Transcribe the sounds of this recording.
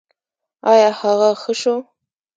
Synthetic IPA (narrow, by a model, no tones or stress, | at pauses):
ajaħaʁaχəʂo